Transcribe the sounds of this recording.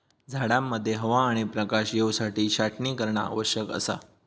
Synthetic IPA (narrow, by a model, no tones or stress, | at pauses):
d͡zʱaɽamːəd̪ʱːjeɦəʋaːɽ̃ipɾəkaɕjewsaʈiːɕaʈʰniːkəɾɳa̰a̰ʋəɕjəkə̰sa̰